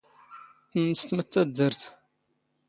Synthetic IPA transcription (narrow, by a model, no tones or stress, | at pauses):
θnəst̪mət̪ːæd̪ːəɾθ